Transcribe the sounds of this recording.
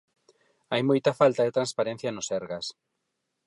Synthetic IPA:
ajmojt̪ɐfalt̪ɐðet̪ɾãnspaɾẽn̟θjɐnʊsɛɾɣas

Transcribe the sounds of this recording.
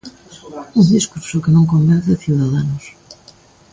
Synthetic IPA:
und̪iskuɾsʊkɪnõŋkõmbɛnθɐθiwðaðanʊs

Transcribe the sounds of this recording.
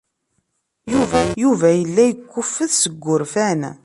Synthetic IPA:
juvæjuvæjəlːæjəkʷːʊfːəðsəɡʷːʊɾfæn

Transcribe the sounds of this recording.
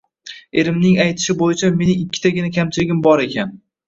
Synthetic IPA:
e̞ɾɪmnɪŋajt̪ʰɪ̥ʃɪbojɪt͡ʃʰame̞nɪŋɪkʲːɪ̥t̪ʰaɡʲɪnakʲʰamt͡ʃʰɪɾɪɡʲɪmbɒɾe̞kʲan

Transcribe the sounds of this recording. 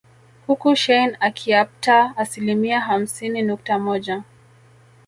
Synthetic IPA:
hukuʃɛjnakʰiaptaːsilimiaɦam̩sininuk̚tamɔʄa

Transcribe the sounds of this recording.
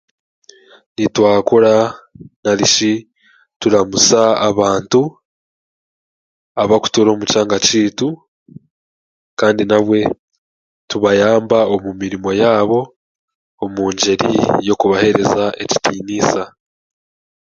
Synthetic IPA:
nitwaːkoɾanaɾiʃi | tuɾamusaːβaːntu | aβaku̥toɾo̞ːmut͡ʃaːŋɡaciːtu | kaːndinaβwe̞ | tuβajaːmbaomumiɾimo̞jaːβo̞ː | muːɲɟe̞ɾḭjo̞kuβahe̞ɾe̞zaʔe̞̰ci̥tiːniːsa

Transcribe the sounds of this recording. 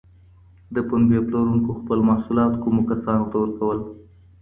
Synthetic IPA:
d̪əpʊnbjeploɾuŋkoxpəlmɑhsulɑt̪kumokasɑnot̪awəɾkawəl

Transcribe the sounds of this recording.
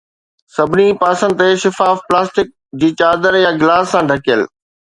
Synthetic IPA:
sɐbʱɪnipaːsə̃nd̪̚t̪eʃɪfaːfplaːsʈɪk̚ | d͡ʑiːt͡ɕaːd̪əɾjaɡɪlaːsːãɖʱɐkijəl

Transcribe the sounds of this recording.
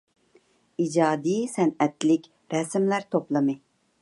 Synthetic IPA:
id͡ʒɑːd̪ijsɛnɛt̪lɪkʲ | ɾɛsmlæɾt̪ʰoplˠɨmɨ

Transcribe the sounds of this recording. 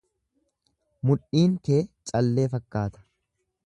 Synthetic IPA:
mʊᶑiːŋke̞ːt͡ʃʼɐlːe̞ːfɐkːaːt̪ɐ̥

